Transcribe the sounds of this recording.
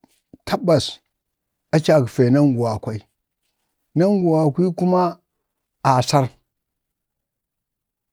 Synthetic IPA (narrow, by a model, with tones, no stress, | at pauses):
tʰa˦ba˨s | a˦t͡ʃa˨kfe˨na˦ŋɡu˨wa˨kʷa˦i˦ | na˦ŋɡu˨wa˨kʷi˦ku˦ma˦ | a˨sa˦ɾ